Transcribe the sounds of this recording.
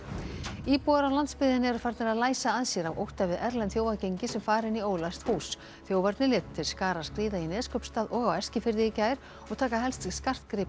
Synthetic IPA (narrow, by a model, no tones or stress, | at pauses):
iːpuaɾalant̪spɪðɪnɛɾʏfaɾt̪naɾaðlaːjsaaðsjɛɾavo̰wht̪avɪðɛɾlɛnθjowvacejɲcɪsɛmfaːɾɪnioːwlast̪foːws | θjoːwvaɾt̪nɪlɪːt̪t̪ʰːɪlskaːɾaskɾiːðainɛːðskœpst̪aːðɔɣawɛr̥scɪfɪɾðɪicaːjɾ̥ | ɔɣt̪ʰaːkaɦɛlst̪skar̥t̪kɾɪːp